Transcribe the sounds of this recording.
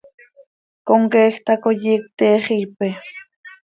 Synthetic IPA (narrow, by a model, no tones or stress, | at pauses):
koŋkeːxt̪akojik̚t̪eːχijpe